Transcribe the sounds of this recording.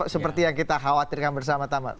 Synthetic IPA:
səpərt̪ijaŋkit̪aɦawat̪irkanbərs̬amat̪ama̰

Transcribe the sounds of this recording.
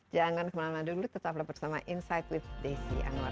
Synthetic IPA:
d͡ʒaŋankəmanamandulut̪ət̪ap̬labərsama̰ʔinsajt̪wifdesḭʔa̰na̰

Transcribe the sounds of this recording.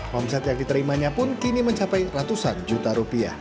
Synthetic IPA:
wɔmsɛt̪jaŋ̚dit̪əɾimaɲapʊnkiniməɲt͡ʃapajrat̪usand͡ʒut̪aɾupia̰h

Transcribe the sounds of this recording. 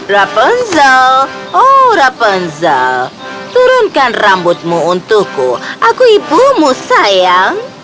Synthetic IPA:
ɾapənzaoɾapənza̰ | t̪uɾunkanɾambut̪̚muːnt̪ukuakuipumusajaŋ

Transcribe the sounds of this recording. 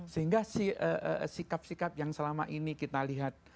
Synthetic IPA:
səɦiŋɡasihəʔə̰sikap̚sikap̚jaŋsəlama̰ʔinikit̪aliɦat̪̚

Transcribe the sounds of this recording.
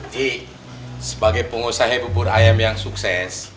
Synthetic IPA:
d͡ʒi | səbaɡajpəŋosaɦebubʊɾajamjaŋsuksɛs

